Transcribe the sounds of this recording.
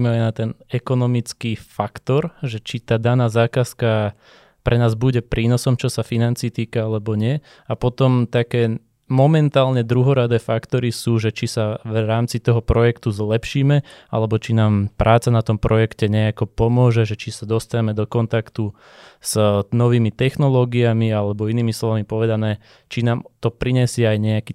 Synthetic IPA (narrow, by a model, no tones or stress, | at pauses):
mɛajnat̪ɛnɛkɔnɔmit͡skifakt̪ɔɾʒɛt͡ʃit̪aːd̪anaːzaːkaska | pɾʔɛnaːzbuɟɛpɾʔiːnɔsɔmt͡ʃɔsafinant͡siːt̪iːkaalɛbɔɲɪɛ | apɔt̪ɔmt̪akɛː | mɔmɛnt̪aːlɲɛd̪ɾuɦɔɾad̪ɛːfakt̪ɔɾisuːʒɛt͡ʃisaʋɾaːmt͡sit̪ɔɦɔpɾɔjɛkt̪uzlɛpʃiːmɛa̰lɛbɔt͡ʃinaːmpɾʔaːt͡sanat̪ɔmpɾɔjɛkcɛɲɛakɔpɔmʊɔʒɛʒɛt͡ʃisad̪ɔst̪aɲɛmɛd̪ɔkɔnt̪akt̪u | z̥nɔʋiːmit̪ɛxnɔlɔːɡiamialɛbɔiniːmislˠɔʋamipɔʋɛd̪anɛː | t͡ʃinaːmt̪ɔpɾiɲɛsɪɛajɲɛakiː